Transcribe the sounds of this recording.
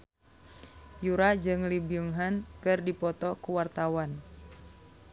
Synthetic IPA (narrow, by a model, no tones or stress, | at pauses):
juɾad͡ʒɨŋlibiuŋɦankɨrdipɔt̪ɔkuwart̪awan